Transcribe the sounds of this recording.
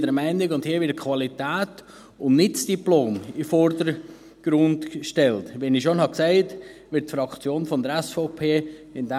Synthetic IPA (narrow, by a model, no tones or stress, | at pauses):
dəɾmɛɪnɪɡʊndhiːəʋɪɾt̚kʰʋɑlitɛːt | ʊnnɪt͡sd̥iploːmifɔɾdəɾ | ɡ̥ɾʊndʃtɛltʋɛnɪʃonhɑksæɪtʋɪtfɾɑkt͡sjoːnfɔnd̪əɾɛsfɔʊpʰeːɪndɛ